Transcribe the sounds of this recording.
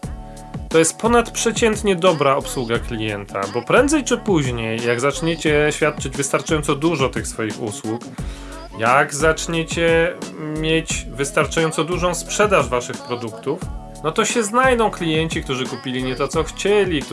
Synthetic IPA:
t̪ɔjɛst̪̚pʰɔnat̪pʂɛt͡ɕɛnt̪ɲɛd̪ɔbɾaɔpswuɡaklʲijɛnt̪ʰa̰bɔpɾɛnd̪zɛjt͡ʂɘpuʑɲejːaɡzat͡ʂɲet͡ɕɛɕfʲjat̪̚t͡ʂɘd͡ʑvɘst̪aɾt͡ʂajɔnt̪sɔd̪uʐɔt̪ɘxsfɔjixṵswuk | jaɡzat͡ʂɲet͡ɕɛmʲjet͡ɕvɘst̪aɾt͡ʂajɔnt̪sɔd̪uʐɔ̃w̃spʂɛd̪aʐvaʂɘxpɾɔd̪ukt̪uf | nɔt̪ɔɕɛznajd̪ɔ̃w̃klʲijɛɲt͡ɕik̚t̪uʐɘkupʲilʲiɲɛt̪ɔt̪sɔxt͡ɕɛlʲik̪

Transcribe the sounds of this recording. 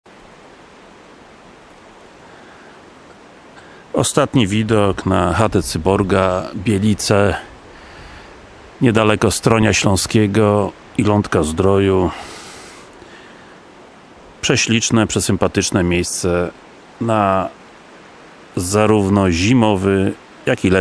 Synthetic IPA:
ɔ̰st̪at̪ɲivʲid̪ɔknaxat̪ɛt̪sɘbɔɾɡabʲjɛlʲit̪sɛ | ɲɛd̪alɛkɔst̪ɾɔɲaɕlɔ̃w̃skʲɛɡɔ | ilɔnt̪kazd̪ɾɔju | pʂɛɕlʲit͡ʂnɛpʂɛsɘmpat̪ɘt͡ʂnɛmʲjejst̪sɛ | na | zaɾuvnɔʑimɔvɘ | jakilɛ

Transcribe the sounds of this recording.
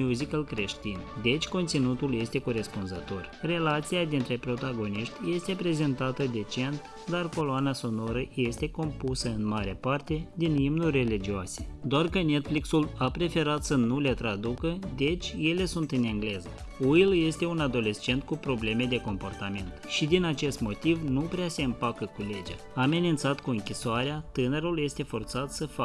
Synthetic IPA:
uzikəlkɾe̞ʃt̪ind̪e̞t͡ʃʲko̞nt̪sinut̪ulje̞st̪e̞ko̞ɾe̞spunzət̪o̞rre̞lat̪sijad̪int̪ɾe̞pɾo̞t̪aɡo̞niʃt̪ʲje̞st̪e̞pɾe̞ze̞nt̪at̪əd̪e̞t͡ʃe̞nt̪ | d̪arko̞loanaso̞no̞ɾəje̞st̪e̞ko̞mpusəɨnmaɾepart̪e̞d̪inimnurʲːe̞lid͡ʒioase̞d̪oarkəne̞t̪fliksulapɾe̞fe̞ɾat̪sənule̞t̪ɾad̪ukəd̪e̞t͡ʃʲje̞le̞sunt̪ɨneŋɡle̞zə | uilje̞st̪e̞unad̪o̞le̞st͡ʃe̞nt̪̚kupɾo̞ble̞me̞d̪e̞ko̞mpo̞rt̪ament̪ʃid̪inat͡ʃe̞st̪mo̞t̪ivnupɾease̞ɨmpakəkule̞d͡ʒa | aːme̞nint̪sat̪kuɨŋkʲisoaɾeat̪ɨnəɾulje̞st̪e̞fo̞rt̪sat̪səfa

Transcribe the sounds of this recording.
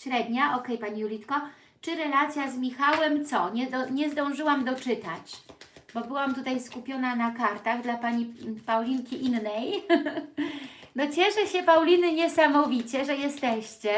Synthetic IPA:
ɕɾɛd̪ɲaʔɔkɛjpaɲijulʲit̪kɔ | t͡ʂɘɾɛlat̪sʲjazmʲixawɛmt̪sɔɲɛɲɛzd̪ɔ̃w̃ʐɘwamd̪ɔt͡ʂɘt̪at͡ɕbɔbɘwamt̪ut̪ajskupʲjɔnanakaɾt̪aɣd̪lapaɲipawlʲiŋkʲiʔinːɛj | nɔt͡ɕɛʂɛɕɛpawlʲinɘɲɛsamɔvʲit͡ɕɛʐɛjɛst̪ɛɕt͡ɕɛ

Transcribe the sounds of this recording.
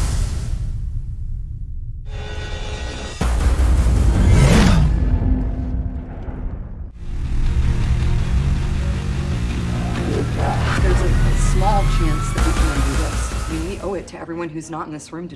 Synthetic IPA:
ðəzɪɨslɑ̥t͡ʃʰæ̃nsðɨʔ̚wikʰɨ̃nɨ̃ndɨðɪswiiʔoʊɨtʰɨʔɛvɹiwʌ̃nɦʉznəɾn̩ðɪsɹʉ̃mtɨ

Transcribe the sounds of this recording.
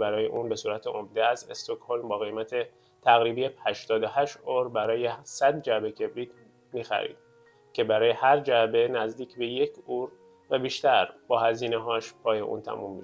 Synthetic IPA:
bæɾɒːje̞̰ʔuːnbe̞suːɾæt̪ʰeʔomd̪eæzḛst̪okho̞lmbɒːɣe̞jmæt̪ʰe̞ | t̪ʰæɣɾiːbijehæʃt̪ɒːd̪ohæʃt̪oɾbæɾɒːjesæd̪̚d͡ʒæbecʰe̞bɾiːd̪ | miːxæ̰ɾḭːd̪̥ | cʰe̞bæɾɒːje̞hæɾd͡ʒæbe̞næzd̪iːcʰbe̞je̞cʰuːɾ | væbiːʃt̪æɾbɒːhæziːneɦɒːʃpʰɒːjeʔṵnt̪ʰæ̰mṵmːi

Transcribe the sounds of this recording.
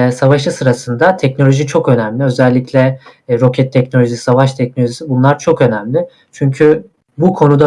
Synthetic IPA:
savaʃɯsɯɾasɯnd̪at̪ʰɛcnolʲo̞ʒit͡ʃʰo̞kø̞næmlʲiø̞zɛlʲːiclʲɛɾo̞cʰɛt̪ʰːɛcno̞lʲoʒisavaʃt̪ʰɛc̚no̞lʲoʒisibunlˠaɾt͡ʃʰo̞kø̞næmlʲɪ | t͡ʃʰyɲcʰy | bukʰo̞nud̪a

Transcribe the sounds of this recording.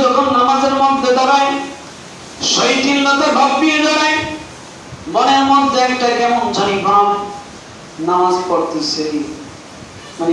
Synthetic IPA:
d͡ʒɔkʰonːamad͡ʒeɾmɔd̪ʱːed̪ɔɾaj | ʃɔjʈilːɔt̪ebʱɔɡ̚pijed̪ɔɾaj | mɔneɾmɔd̪ʱːeɛkʈakɛmɔnd͡ʒʱɔnibʱam | namad͡zkɔɾt̪ise | mane

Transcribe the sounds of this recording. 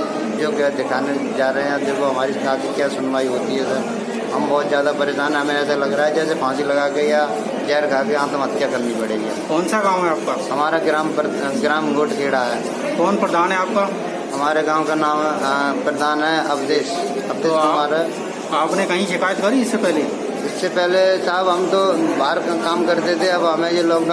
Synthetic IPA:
d͡ʒoːkːd̪ɪkʰaːned͡ʒaːɾəɦẽɛ̃d̪eːkʰoɦəmaːɾikaːkikjaːsʊnʋaːiɦoːt̪iɦɛsɛː | ɦəmbɔːt̪zjaːd̪apəɾed͡ʒaːnɛɦəmẽɛːs̬eləɡɾaːɦɛːd͡ʒɛːsepʰãːsiləɡaɡəiaː | d͡ʒɛːɾkaːkeãt̪əmət̪ːjakəɾnipəɽeːɡiɛ̰ːkɔːnsaɡaːmɦɛaːp̚kaːɦəmaːɾaɡɾaːm | ɡɾaːmɡoːʈkʰeːɽaɦɛː | kɔːnpɾəd̪aːnɦɛaːp̚ka | ɦɐmaːɾekaːmkanaːmpɾəd̪aːnɦɛɐpd̪eːʃ | ɐpd̪eːɦmaːɾ | aːpnekɐɦĩʃɪkaːjət̪kɐɾiɪsːepɛɦle | ɪsːepɛɦlesaːbɦɐmt̪obaːɾkaːmkɐɾt̪et̪ʰeɐbɦɐmẽjoloːɡ

